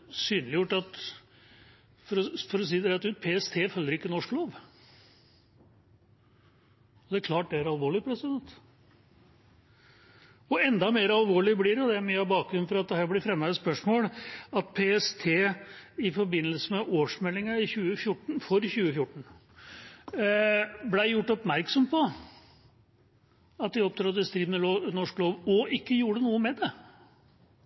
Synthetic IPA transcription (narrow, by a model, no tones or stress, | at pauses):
syːnlɪjʊʈːɑt̪ | fɔɾɔfɔɾɔs̬iːd̪ɛɛt̪ːʉːt̪̚pʰeːɛst̪ʰeːfœlːəɾɪkːənɔʂkloːʋ | ɔd̪ɛæɾkʰlɑːʈ̚d̪ɛæɾɑlʋoːɭɪpʰɾɛsɪd̪ɛnt̪ | ɔɛnd̪ɑmeːɾɑlʋoːɭɪblɪɾɔd̪ɛæɾmyːɑʋbɑːk̚ɡɾʉn̩fɔɾɑt̪̚d̪ɛhæːɾblɪɾfɾɛmːɑɛspœʂmoːlɑt̪̚pʰeːɛst̪ʰeːɪfɔɾbɪnːəlsəmɛʔoːʂmɛlːɪŋɑɪçʉːəfjʊʈːɳ̩fɔɾçʉːəfjʊʈɳ̩ | blæɪjʊʈːɔpmæɾksɔmpʰɔ | ɑt̪̚d̪ɪɔp̚t̪ʰɾɑd̪əst̪ɾiːʋnəloːnɔʂkloːʋɔʔɪkːəjuːɾənuːəmɛd̪ɛ